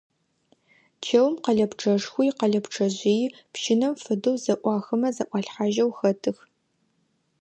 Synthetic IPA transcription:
t͡ʃʰeːwmqɐɮɐpʈ͡ʂʰɐʂxʷʊjqɐɮɐpʈ͡ʂʰɐʑiːj | pʃɪnɐmfɨdɨwzɐʔʷɑːxɨmɐzɐʔʷɑɬħaʒɐwxɐtʰɨx

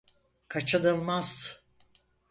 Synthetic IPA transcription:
kʰat͡ʃʰɯnɯlˠmaz̥

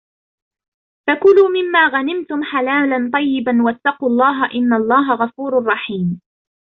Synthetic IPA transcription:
fakʊluːmɪmːaːɣanɪmt̪ʊmħalaːlant̪ˤɑjːɪbanwat̪ːɑquːlˤːɑːɦaʔɪnːalˤːɑːɦaɣafuːɾʊrˤːɑħiːm

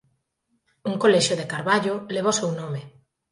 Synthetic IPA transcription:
uŋkolɛʃoðekaɾβaʎoleβ̞osewnome

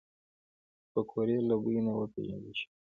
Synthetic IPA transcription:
pəkʰoɾelabuinawəpḛʒa̰nd̪iʃi̥

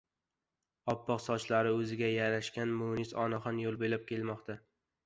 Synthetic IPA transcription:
ɒpʰːɒqsɒt͡ʃlaɾɪɵzɪɡʲajaɾaʃkʲanmʊnisɒnaχɒnjolˠbelap̚kʲelmɒqt̪ʰa

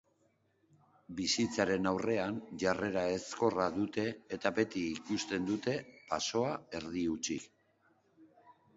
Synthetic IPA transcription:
bisit͡saɾe̞nawre̞anʝare̞ɾae̞sko̞raðut̪e̞ːt̪abe̞t̪iːkust̪e̞nd̪ut̪e̞paso̞ae̞ɾðiut͡ʃḭk

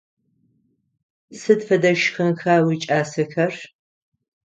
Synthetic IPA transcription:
sɨdfɐdɐʃxɐnxaːwiːt͡ʃʼaːsɐxɐr

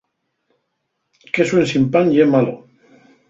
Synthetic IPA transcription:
keswensimpanemalo

